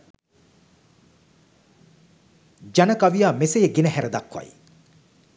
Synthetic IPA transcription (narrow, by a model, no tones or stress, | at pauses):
d͡ʒanəkaʋijaːmesejəɡenəhæɾəd̪akʋa̰j